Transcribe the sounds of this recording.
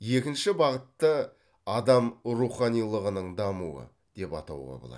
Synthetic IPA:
je̞kʲɪnʃɪbɑʁət̪ːə | ɑd̪ɑmɾuχɑnijlˠəʁənəɴd̪ɑmuə̰ | d̪̥e̞pɑ̰t̪ɑ̰wʁɑ̰bolˠɑ̰d̪

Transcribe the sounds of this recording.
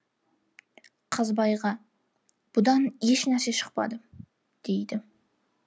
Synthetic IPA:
qʰɑzbɑjʁɑ | b̥ʊd̪ɑnjeʃnæɾseʃə̥q̚pɑ̰d̪ə | d̪̥ejd̪ɪ

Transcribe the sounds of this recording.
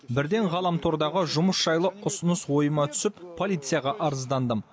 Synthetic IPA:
bɪɾd̪e̞ɴʁɑlˠɑmt̪ʰoɾd̪ɑʁəʒʊməsʒ̥ɑjlˠəʊsənəswo̞jəmɑt̪ʰʏ̥sɪppʰːo̞lʲˠijt̪sɨjaʁɑʔɑɾəzd̪ɑnd̪əm

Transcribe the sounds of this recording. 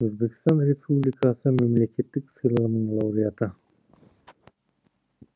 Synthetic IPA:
øzbe̞kʲi̥st̪ɑnrʲespublʲɪkasɯme̞mle̞kʲe̞t̪ːiksɯjlˠɑʁnɯɴlˠaɾijɑt̪ə

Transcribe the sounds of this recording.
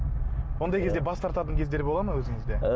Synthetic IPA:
wo̞nd̪ɑjkʲʰed̪e̞bɑst̪ʰɑɾt̪ɑt̪̬əŋkʲʰe̞zd̪e̞ɾbo̞lˠɑməwɵzɪŋɪzd̪e̞

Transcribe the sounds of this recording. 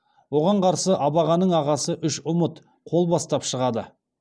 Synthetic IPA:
wo̞ʁɑɴqʰɑɾsəʔɑbɑʁɑnəɴɑʁɑsəʔʏʃʊmət̪ | qʰo̞lˠbɑst̪ɑpʃəʁɑd̪ə

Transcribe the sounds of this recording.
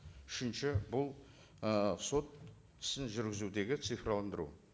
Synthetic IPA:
ʏʃɪnʃɪbʊlˠ | so̞t̪̚ | ɪ̥sɪnʒʏɾɡʲɪzud̪e̞ɡʲɪt̪sɨjfrolˠand̪əɾṵ

